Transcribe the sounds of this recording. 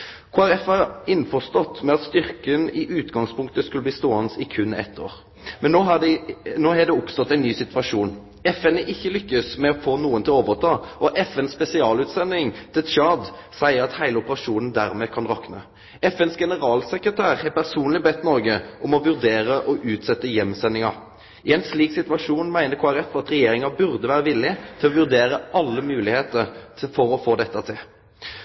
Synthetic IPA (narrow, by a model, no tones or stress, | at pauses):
kʰːɑʁɛfɑɪnfɔʁst̪ɔt̪ːmɛɑt̪st̪ʏʁkənɪʔʉːt̪ɡɑŋspʰʊŋkt̪əskʉləb̪iːst̪oːɑnsɪkʰʉnːɛ̰t̪ʰːo̰ːʁ | mɛnːoːɦɑdnoːhɛd̪ɛʊpst̪ɔt̪ːæɪnːyːsɪt̪ʋɑʂuːn | ɛfɛnəʔɪçːəlʏkːəsmɛɔfoːnuːənt̪ʰɪloːʋəʁt̪ʰɑːʔɔʔɛfɛnspɛsɪɑːlʉːt̪sɛnːɪŋt̪ʰɪlt͡ʃɑd̪sæɪəɾɑt̪hæɪləʊpəʁɑʂuːnn̩d̪æʁmɛkʰɑnʁɑknə | ɛfɛnsɡɛnəʁɑːlsɛkʁət̪ʰæːʁhɛɾpʰæʁsuːnlɪbɛt̪ːnɔɾɡəʔɔmɔʋʉʁd̪eːʁəʔɔʔʉːt̪sɛt̪ːəjɛmːsɛnːɪŋɑɾ | ɪɛnsliːksɪt̪ʉʋɑʂuːnmæɪnəɾkʰoːæɾɛfɑt̪ʁɛjeːʁɪŋɑbʉʁd̪əʋæːʁəʋɪlːɪt̪ʰɪlɔʋʉʁd̪eːɾəʔɑlːəmʉːlɪheːt̪əɾfɔɾɔfoːd̪ɛt̪ːɑt̪ʰɪl